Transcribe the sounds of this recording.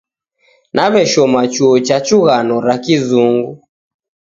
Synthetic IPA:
nʔaβɛʃɔmat͡ʃuɔt͡ʃat͡ʃuɣanɔɾakizuŋɡu

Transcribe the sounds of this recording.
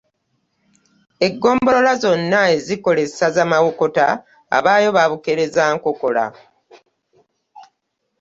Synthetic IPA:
e̞ɡːo̞ːmbo̞lo̞lazo̞nːaeziko̞le̞sazamawoko̞ta̰ː | βaːjo̞βaβuke̞ɾe̞zaːŋkoko̞la̰

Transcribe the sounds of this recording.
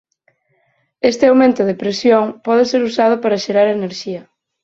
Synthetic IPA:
est̪ɪawmẽnt̪ʊðepɾesjoŋpɔð̞ɪseɾusað̞ʊpaɾaʃeɾaɾaeneɾʃiɐ

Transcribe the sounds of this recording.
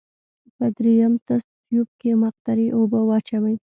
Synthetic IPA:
pəd̪ɾejamt̪as | jup̚kemaq̚t̪aɾiʔobəwɑt͡ʃawəj

